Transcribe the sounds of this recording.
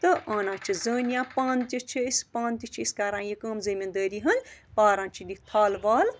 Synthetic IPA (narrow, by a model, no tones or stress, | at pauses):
t̪ɨʔaːnãːt͡ʃʰizəːnjãːpãːnt̪it͡ʃʰiispãːnt̪it͡ʃʰiiskaːɾãːjikɐːmzɐmʲind̪əɾiɦɐnpaːɾãːnt͡ʃʰinit̪ʰaːlʋaːl